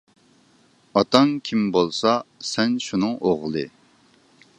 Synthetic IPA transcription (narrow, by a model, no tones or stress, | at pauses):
ɑt̪ʰɑŋkʲʰimbolˠsɑsɛnʃunɨŋoʁlˠɨ